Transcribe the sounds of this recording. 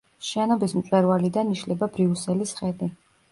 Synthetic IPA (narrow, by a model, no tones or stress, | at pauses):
ʃɛnɔbismt̪sʼwɛɾvalid̪aniʃlɛbabɾiusɛlisχɛd̪i